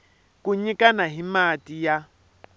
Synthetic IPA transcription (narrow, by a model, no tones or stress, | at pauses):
kʼuɲikʼanaɦimatʼija